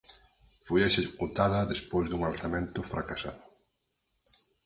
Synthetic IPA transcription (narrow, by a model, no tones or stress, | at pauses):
fojaʃesput̪aðɐðespojzðuŋalθamẽnt̪ʊfɾakasaðʊ